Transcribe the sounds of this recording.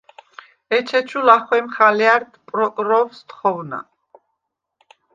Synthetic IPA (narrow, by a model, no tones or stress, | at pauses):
ɛt͡ʃʰɛt͡ʃʰulaχwɛmχaliaɾt̪ʰpʼɾɔkʼɾɔvst̪χɔwna̰